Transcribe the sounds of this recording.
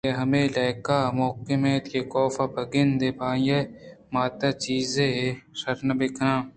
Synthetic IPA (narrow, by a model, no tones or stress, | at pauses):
eɦɐmẽːlɐːkaːmoːkemẽːt̪kekoːfabɐɡɪnd̪eːpaːjemaːt̪at͡ʃiːzesɐɾnɐbɪkɾãː